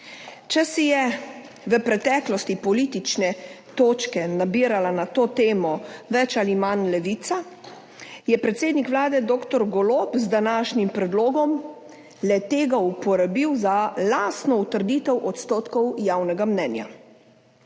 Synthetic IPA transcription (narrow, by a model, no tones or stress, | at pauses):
t͡ʃɛsijɛ | ʋəpɾɛt̪ɛklɔst̪ipɔliːt̪it͡ʃnɛ | t̪oːt͡ʃkɛnabiːɾalanat̪oːt̪eːmɔʋɛt͡ʃalimanlɛʋiːt̪sa | jɛpɾɛt̪seːd̪nikʋlaːd̪ɛd̪oːkt̪ɔɾɡɔloːpzd̪anaːʃnimpɾɛd̪loːɡɔm | lɛt̪eːɡaupɔɾabiwzalast̪nɔut̪əɾd̪iːt̪ɛwʔɔt̪st̪oːt̪kɔwjawnɛɡamnɛːnja̰